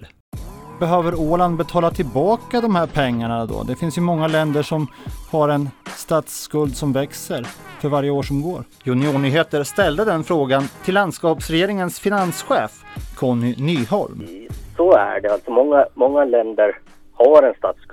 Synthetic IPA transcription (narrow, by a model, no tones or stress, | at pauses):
bɛɦøːvəɾoːland̪bɛt̪ʰɑːlat̪ʰɪlbɑːkad̪ɔmhæɾpʰɛŋːaɳad̪ɔ̰d̪ɛfɪnsjɵmɔŋːalɛnd̪əʂɔmhaɾɛnst̪ɑːt̪skɵld̪sɔmvɛksəɾfœɾvaɾjəoːʂɔmɡoːɾ | jɵnɪuːɳyːɦeːt̪əɾst̪ɛld̪əd̪ɛnfɾoːɡant̪ʰɪlːand̪skɑːpsɾɛjeːɾɪŋənsfɪnansɧeːfkʰɔnʏnyːhɔ̰lmsɔæ̰ɖɛalt̪sɔmɔŋːamɔŋːalɛnd̪əɾ | haɾɛnst̪aːt̪sk